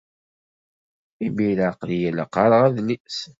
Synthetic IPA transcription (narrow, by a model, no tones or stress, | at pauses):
ibilaqljæləqːɑɾˤʁæðnis